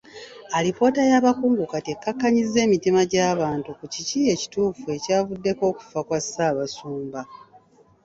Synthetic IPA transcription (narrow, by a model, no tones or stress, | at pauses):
alipo̞ːtajaːβakuːŋɡukate̞kːakːaɲizːe̞ːmitimaɟaːβaːntukuciciːje̞ci̥tuːfue̞caːvudːe̞ko̞ːku̥fakwasaːβasuːmba